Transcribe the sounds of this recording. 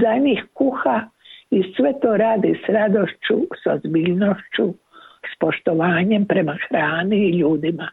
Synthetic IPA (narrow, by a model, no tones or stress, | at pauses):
zaɲiːxkuxaisʋe̞t̪oːɾaːd̪isɾad̪o̞ʃt͡ʃṵsozbiːʎno̞ʃt͡ʃu | spo̞ʃt̪o̞ʋaːɲe̞mpɾe̞maxɾaːniːʎuːd̪ima